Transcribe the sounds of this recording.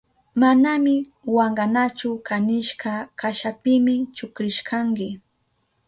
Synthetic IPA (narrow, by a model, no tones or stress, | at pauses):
manamɪ | waɴɢanat͡ʃʊkanɪʃkakaʃapɪmɪt͡ʃʊkɾɪʃkaŋkɪ